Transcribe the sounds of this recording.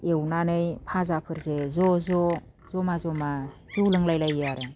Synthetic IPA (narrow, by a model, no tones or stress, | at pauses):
ewnanɯjpʰazapʰɯɾzezɔzɔ | z̥ɔmazɔmazulɯŋlajlajaɾe